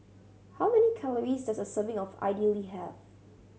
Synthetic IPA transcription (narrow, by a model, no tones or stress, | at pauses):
hawmɛnikʰaləɹisdasəsəvɪ̃ŋɔfa̰ɪdiəliɦɛv